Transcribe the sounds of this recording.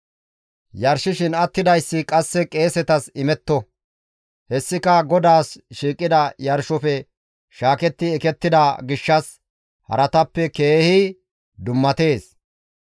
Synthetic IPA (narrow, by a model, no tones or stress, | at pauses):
jɐɾʃɪʃɪnɐt̪ːɪd̪ɐjsːɪkʼɐsːɛkʼe̞ːsɛt̪ɐsɪmɛt̪ːɔ | hɛsːɪkɐɡɔd̪aːsʃiːkʼːɪd̪ɐjɐɾʃɔfɛ | ʃaːkɛt̪ːɪɛkɛt̪ːɪd̪ɐɡɪʃːɐs | hɐ̰ɾɐt̪ɐpːɛke̞ːhi | d̪ʊmːɐt̪e̞ːs